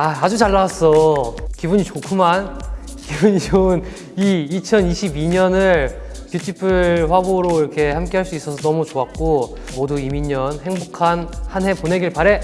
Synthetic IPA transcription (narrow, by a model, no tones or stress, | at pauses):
aad͡ʑut͡ɕaɭːawas͈ʌkibuɲit͡ɕokʰuman | kibuɲit͡ɕon | iːt͡ɕʰʌniɕʰibiɲʌnɯɭ | kjut͡ɕ͈ʰipʰɯɭɸwaboɾoiɾʌkʰe̞hamk͈e̞ɦaɭs͈uis͈ʌsʰʌnʌmut͡ɕoak̚k͈o | moduimiɲʌnhe̞ŋbokʰanhanɦe̞pone̞ɡiɭpaɾe̞